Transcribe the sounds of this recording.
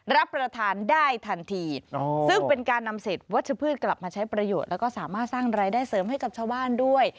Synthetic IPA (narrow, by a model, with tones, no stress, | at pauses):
ɾa˦˥pːɾa˧t̪ʰaː˧ndaː˥˩jt̪ʰa˧nt̪ʰiː˧o˧sɯ˥˩ŋpe˧nkaː˧nːa˧mseː˨˩t̪̚wa˦˥t̪̚t͡ɕʰa˧˩pʰɯː˥˩t̪̚kla˨˩p̚maː˧t͡ɕʰa˦˥jpɾa˧joː˨˩t̪̚lɛː˦˥wkɔː˥˩saː˩˦maː˥˩t̪̚saː˥˩ŋɾaː˧jdaː˥˩jsɤː˨˩˦mɦa˥˩jka˨˩p̚t͡ɕʰaː˥˩baː˥˩ndu˥˩əj